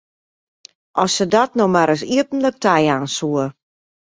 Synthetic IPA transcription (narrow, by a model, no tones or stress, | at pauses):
ʔɔsːədɔtnomaɾəs̬iəpən̩lək̚tʰɛjaːnsuə